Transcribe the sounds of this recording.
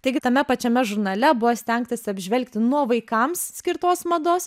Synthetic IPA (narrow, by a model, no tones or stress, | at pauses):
t̪ɐɪɡʲɪt̪ɐmʲɛpɐt͡ʃʲɛmʲɛʒʊɾnɐlʲɛbʊʋoːsʲt̪ʲɛŋkt̪ɐsʲɪɐbʲʒʲʋʲɛlʲkt̪ʲɪnuɔʋɐɪkɐmssʲkʲɪɾt̪oːsmɐd̪oːs